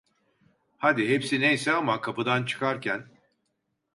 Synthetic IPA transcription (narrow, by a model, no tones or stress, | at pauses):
had̪iɦepsinejsɛamakʰapɯd̪ant͡ʃʰɯ̥kʰaɾcʰæn